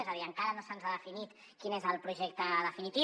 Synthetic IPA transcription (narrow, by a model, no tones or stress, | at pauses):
ezəðiəŋkaɾənosənzaðəfinit̪ | kinezəlˠpɾuʒek̚t̪əðəfinit̪i